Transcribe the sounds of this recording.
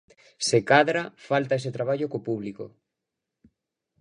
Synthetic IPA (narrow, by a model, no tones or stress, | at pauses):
sekaðɾafalt̪aes̬et̪ɾaβaʎokopuβliko̰